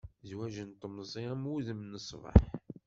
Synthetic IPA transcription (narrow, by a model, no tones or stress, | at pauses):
zwæʒənt̪ˤːəmzˤiʁəmuðəmnəsˤvə̰ħ